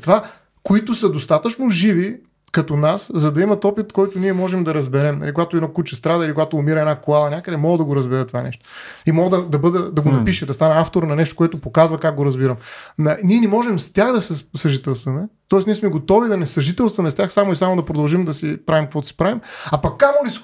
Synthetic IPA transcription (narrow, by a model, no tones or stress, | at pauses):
t̪va | koit̪ʊsɐd̪ost̪at̪ət͡ʃnoʒivi | kɐt̪onaszɐd̪ɐimɐt̪ɔpit̪kɔjt̪ʊniɛmɔʒɛmd̪ɐɾɐzbɛɾɛmnɐ̰likoɡat̪ʊɛnɔkut͡ʃəst̪ɾad̪ɐilikoɡat̪oːmiɾɐɛnakoalˠɐnʲjakəd̪ɛmɔɡəd̪ɐɡoɾɐzbɛɾɛt̪ovanɛ̰ʃt̪o̥imɔɡˠd̪ɐd̪ɐbɤd̪ɛd̪ɐɡonɐpiʃɛd̪ɐst̪anɛaft̪oɾnɐnɛʃt̪okoɛt̪opokazvɐkak̚ɡoɾɐzbiɾɐmnɐniɛnɛmɔʒɛmst̪ʲaxd̪ɐsɛsɐʒit̪ɛlˠst̪vɐmɛt̪ɔɛsniɛsmɛɡot̪ɔvid̪ɐnɛsɐʒit̪ɛlˠst̪vɐmɛst̪ʲjaxsamoisamod̪ɐpɾod̪ɐlˠʒimd̪ɐsipɾavimkəvɔd̪si̥pɾavimɐpɐkːamolis